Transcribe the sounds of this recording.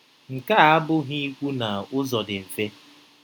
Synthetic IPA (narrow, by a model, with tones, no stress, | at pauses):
ŋ̩˨ka˦a˦bʊ˦ɦi˦kʷu˦na˨ʊ˦zɔ˨dɪ˨m̩˨fe˦